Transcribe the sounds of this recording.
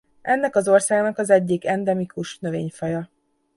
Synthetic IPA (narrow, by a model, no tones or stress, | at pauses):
ʔɛnːɛkɒzo̞rsaːɡnɒkɒzɛɟːikɛnd̪ɛmikuʃnø̞veːɲfɒjɒ